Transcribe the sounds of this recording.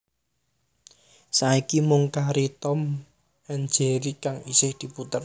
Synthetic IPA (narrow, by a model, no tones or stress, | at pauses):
saikimʊŋkaɾit̪ɔm | ɛn̥d͡ʒeɾikaŋisɪhd̪̥i̤put̪ər